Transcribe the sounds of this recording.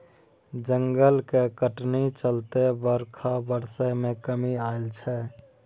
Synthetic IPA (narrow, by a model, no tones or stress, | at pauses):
d͡ʒəŋɡəlkekəʈnit͡ʃəlt̪ebəɾkʰabəɾsəmẽkəmiaːɪlt͡ʃʰɛ